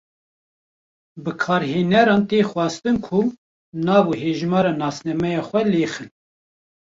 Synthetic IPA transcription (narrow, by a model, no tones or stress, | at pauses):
bɨkʰɑːɾɦeːnɛɾɑːnt̪eːxwɑːst̪ɨnkʰu | nɑːbuɦeːʒmɑːɾɑːnɑːsnɛmɛjɑːxʷɛleːxɨl